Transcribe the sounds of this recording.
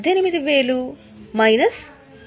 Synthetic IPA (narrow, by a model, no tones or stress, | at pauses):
d̪ʱjɐnimid̪iʋe̞ːlu | mɐjnɐs